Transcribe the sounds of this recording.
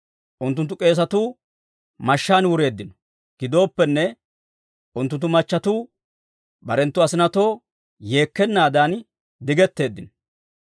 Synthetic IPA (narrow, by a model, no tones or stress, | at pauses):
ʔʊnt̪̬ːʊnt̪̬ːʊkʼe̞ːs̬ɐt̪uː | mɐʃːaːnwʊɾe̞ːd̪ːɪnɔ̥ | ɡ̥ɪd̪o̞ːpːɛnːɛ | ʔʊnt̪ʊnt̪ːʊmɐt͡ʃːɐt̪uː | bɐɾɛnt̪ːʊɐsɪnɐt̪o̞ː | je̞ːkːɛnːaːd̪an | d̪ɪɡɛt̪ːe̞ːd̪ːɪnɔ̥